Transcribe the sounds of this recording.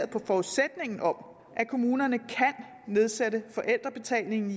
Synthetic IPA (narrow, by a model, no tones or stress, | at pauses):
ɐð̩ˠpʰɒ̽fɒuðˠsed̥ne̝ŋn̩ɒ̽m | ʔækʰo̝muːnɐnəkʰæn | ne̝ð̞ˠsedəfɒ̽ʔel̰d̥ʁɐb̥e̝t͡sʰɛ̰lne̝ŋn̩i